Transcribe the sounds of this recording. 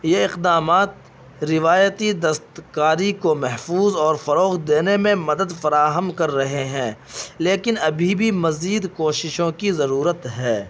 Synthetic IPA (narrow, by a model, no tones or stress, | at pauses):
jeɪqd̪aːmaːt̪ | ɾɪʋaːjət̪id̪ɐst̪kaːɾikomɛɦfuːzɔːɾfɐɾoːxd̪eːnemẽmɐd̪əd̪fɐɾaːɦəmkɐɾːɐɦeɦɛ̃ː | leːkɪnɐbʱibʱimɐziːd̪koːʃɪʃõkizɐɾuːɾət̪ɦɛː